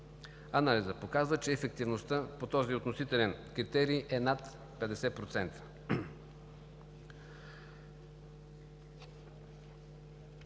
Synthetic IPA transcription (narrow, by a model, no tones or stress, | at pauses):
ɐnalizəpokazvət͡ʃɛːfɛkt̪ivnost̪ɤpot̪ɔziot̪nosit̪ɛlɛnkɾit̪ɛɾiʔɛnat̪ | pɛd̪ɛsɛpɾot̪sɛnt̪ə̥